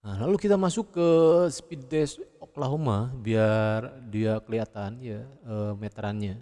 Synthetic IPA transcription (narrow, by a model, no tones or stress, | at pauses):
alalukit̪amasʊkːəspid̚ɛsoklaɦomabiardiakəliat̪anjaəmet̪ɾanɲa